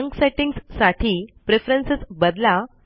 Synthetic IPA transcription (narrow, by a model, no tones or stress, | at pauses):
ŋkseʈiŋɡssaʈʰiːpɾefɾensət͡sbəd̪la